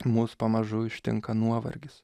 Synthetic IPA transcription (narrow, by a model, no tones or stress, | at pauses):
muːspɐmɐʒʊɪʃʲt̪ʲɪ̰ŋkɐnuɔʋɐ̰ɾʲɡʲɪs